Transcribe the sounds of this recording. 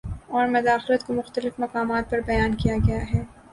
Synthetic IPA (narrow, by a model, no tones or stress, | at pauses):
ɔːɾmɐd̪aːxlət̪komʊxt̪əlɪfmɐkaːmaːt̪̚pɐɾbɐjaːnkijaɡɐjaɦɛː